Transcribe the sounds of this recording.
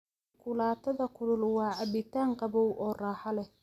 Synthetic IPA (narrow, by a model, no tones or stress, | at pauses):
kʰʊlaːt̪ʰɐðɐkʰʊɽʊlwɑːʕɑbɪt̪ʰaːŋqɑβɔwʔɔːraːħɑlɛh